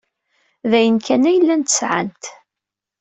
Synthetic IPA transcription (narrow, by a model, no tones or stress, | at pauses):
ðæjənkʰænæjəlːænt̪ə̥sʕa̰nt̪